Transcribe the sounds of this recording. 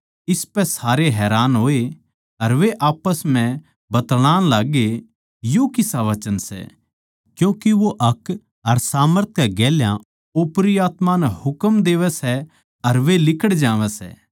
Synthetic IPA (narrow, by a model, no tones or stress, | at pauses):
ɪspɛsaːɾeɦɛːɾaːnɦoːe | ɐɾʋeʔaːpəsm̤ɛ̃ | bɐt̪ɽ̃ãːñlaːɡe | jokɪsaʋɐt͡ʃənsɛ̰ | kjũːkiʋoʔɐk | ɐɾsaːməɾt̪ʰjaɡɛːljã | ʊpɾiaːt̪manɛhʊkəmd̪eːʋɛsɛ | ɐɾʋelɪkəɽd͡ʒãːʋɛsɛ̰ː